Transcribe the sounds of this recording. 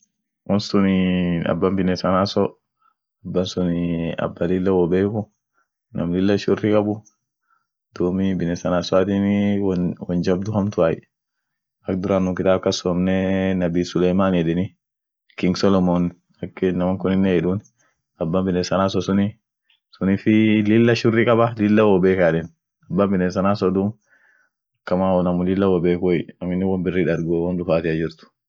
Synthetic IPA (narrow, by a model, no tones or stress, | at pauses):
wɔnsʊniɐ̰bːɐmbɪnɛsɐnasɔ | ɐbːɐnsʊnia̰bːɐlilːawɔbeku | nɐmlɪlːɐʃʊrːikɐbu | d̪̥uːmibɪnɛsɐnasɔat̪iniwɔnd͡ʒɐbd̪ʊhɐmt̪ʊaj̰ | ɐk̚d̪uɾanːukɪt̪aːb̚kɐsɔmnɛnɐbiːsʊlɛjmanɛdɛni | kɪŋɡsɔlɔmɔn | ɐkːenɐmɐŋkʊnɪnːɛɛᶑun | ɐbːambɪnːeːsɐnaːs̬ɔsʊnɪ | sʊniːfɪlɪlːɐʃʊrːiːkʼɐbɐlɪlːɐwɔbeːkaːᶑɛn | ɐbːambɪnes̬ɐnaːsɔd̪uːn | ɐkːɐmaːɔnɐmʊlɪlːɐwɔbeːkɔɐmɪnːɪwɐmbɪrːiːᶑɐɾɡoːwɐnᶑʊfaːt̪ɪɐd͡ʒɪɾt̪ʊ̥